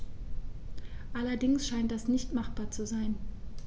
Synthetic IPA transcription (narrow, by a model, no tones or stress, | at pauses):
ʔalɐdɪŋsʃaɪnt̚d̥asnɪçtmaχb̥aːɐt͡suzaɪn